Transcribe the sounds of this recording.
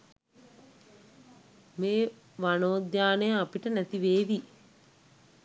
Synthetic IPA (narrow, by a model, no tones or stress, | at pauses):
meː | ʋanoːd̪jaːnejəapiʈənæt̪iʋeːʋi